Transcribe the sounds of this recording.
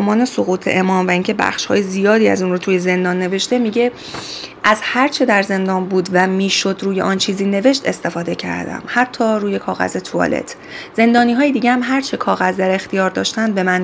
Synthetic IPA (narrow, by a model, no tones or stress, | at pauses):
mɒːne̞soɣuːt̪ʰḛʔemɒːmvæiŋcʰe̞bæ̰xʃhɒ̰ːjezijɒːd̪iːæ̰zunrot̪ʰuːje̞ze̞nd̪ɒnːe̞ve̞ʃt̪e̞miːɟe̞ | ʔæzhæɾt͡ʃʰe̞d̪æɾze̞nd̪ɒːnbuːd̪væmiːʃo̞d̪ɾuːje̞ʔɒnt͡ʃʰiːziːne̞ve̞ʃt̪e̞st̪e̞fɒːd̪e̞cʰæ̰ɾd̪æ̰mhæt̪ʰːɒːɾuːje̞kʰɒːɣæ̰zet̪ʰoɒ̰lḛt̪ʰ | z̥e̞nd̪ɒːniːɦɒːjed̪iːɡɟehæmɦæɾt͡ʃʰe̞kʰɒːɣæzd̪æɾe̞xt̪ijɒːɾd̪ɒːʃt̪ænd̪̚be̞mæn